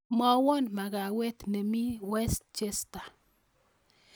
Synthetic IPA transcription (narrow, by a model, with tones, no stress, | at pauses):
mɔ˦wo˦nma˨ɡa˨we˦t̪ne˨mi˦we˦st͡ʃe˦st̪a˨